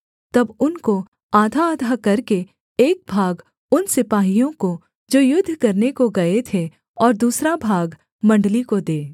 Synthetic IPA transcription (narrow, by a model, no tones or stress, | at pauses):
t̪ɐbʊnko | aːd̪ʱaːd̪ʱaːkɐɾke | eːk̚bʱaːɡ | ʊnsɪpaːɦijõko | d͡ʒoːjʊd̪ʱːkɐɾnekoɡɐet̪ʰe | ɔːɾd̪uːsɾabʱaːɡ | mɐ̃ɳɖlikod̪eː